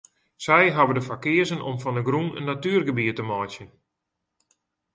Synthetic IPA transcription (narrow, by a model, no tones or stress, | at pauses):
sɛjɦabədəfakɪəzənɔ̰mfɔnəɡrunə̰nːatyːrɡəbiətəmɔjsjən